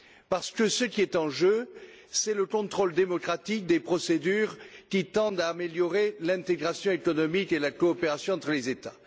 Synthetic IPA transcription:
paʁsə̥kəsəkʲiɛt̪ɑ̃ʒø | sɛləkɔ̃t̪χɔld̪emɔkχat̪ik̚d̪epχɔsed̪yʁkʲit̪ɑ̃d̪aːmeljɔʁelɛ̃t̪eɡʁasjɔ̃ekɔnɔmikelakɔːpeʁasjɔ̃ɑ̃t̪χəlezet̪a

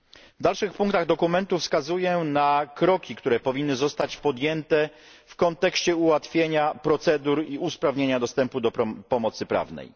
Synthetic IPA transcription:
vd̪alʂɘxpuŋkt̪aɣd̪ɔkumɛnt̪ufskazujɛnakɾɔkʲikt̪uɾɛpɔvʲinːɘzɔst̪at͡ɕpɔd̪ʲjɛnt̪ɛ | fkɔnt̪ɛkɕt͡ɕɛuwat̪fʲjeɲapɾɔt̪sɛd̪uɾiuspɾavɲeɲad̪ɔst̪ɛmpud̪ɔpɾpɔmɔt̪sɘpɾa̰vnɛ̰j

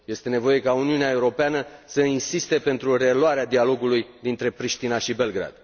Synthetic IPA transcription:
je̞st̪e̞ne̞vo̞je̞kauniuneae̞uɾo̞peanəsəinsist̪e̞pe̞nt̪ɾure̞lwaɾead̪ialo̞ɡulujd̪int̪ɾe̞pɾiʃt̪inaʃibe̞lɡɾa̰d̪

